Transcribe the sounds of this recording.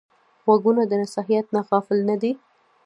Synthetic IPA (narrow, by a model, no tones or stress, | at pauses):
ɣwaɡunad̪ənasɑɦijat̪̚naɣɑfɪlnad̪i